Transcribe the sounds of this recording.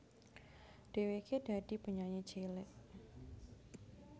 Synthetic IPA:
ɖ̥eweked̥ad̥i̤pəɲaɲe̥d͡ʒelɪʔ

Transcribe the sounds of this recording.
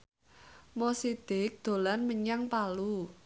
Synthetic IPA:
mɔsid̪̥ɪ̤k̚d̪̥o̤lanməɲaŋpalu

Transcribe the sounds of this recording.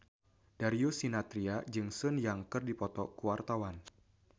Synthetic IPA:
d̥aɾiusinat̪ɾiad͡ʒɨŋsɔnjaŋkɨrdipɔt̪ɔkuwart̪awan

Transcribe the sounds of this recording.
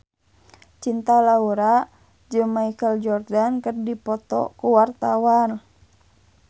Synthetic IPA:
t͡ʃint̪alauɾa | d͡ʒɨŋmaikəld͡ʒɔrdankərdipɔt̪ɔ̰kuwart̪awan

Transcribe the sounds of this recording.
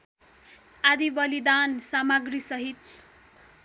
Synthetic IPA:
ad̪ibʌlid̪ansamʌɡrisʌɦit̪̚

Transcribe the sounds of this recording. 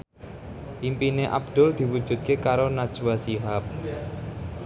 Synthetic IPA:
ʔimpineʔa̰b̚d̪̥ʊ̤ld̪̥i̤wud̥ʒ̥ṳd̪̚kekaɾonḁʒ̥wasiɦap̚

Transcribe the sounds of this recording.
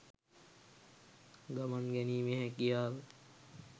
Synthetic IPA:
ɡamanɡɛniːmeɦɛkijaːl

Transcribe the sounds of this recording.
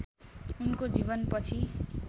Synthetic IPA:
unkod͡zibʌnpʌt͡sʰi

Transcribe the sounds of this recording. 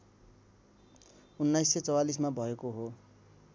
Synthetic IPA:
unːajsːet͡sʌwalis̬mabʱʌekoɦo

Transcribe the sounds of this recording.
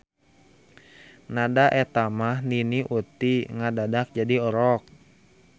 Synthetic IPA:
nadaʔɛt̪amahniniʔut̪iŋadadak̚d͡ʒadiɔɾɔk̚

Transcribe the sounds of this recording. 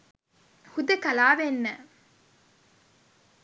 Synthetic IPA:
hud̪ɐkɐlaːʋenːɛ

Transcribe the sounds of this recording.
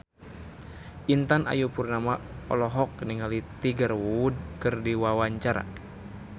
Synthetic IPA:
ʔint̪anʔa̰jupurnamaɔ̰lɔɦɔk̚niŋalit̪iɡərwuud̚kɨrdiwawaɲt͡ʃaɾa̰

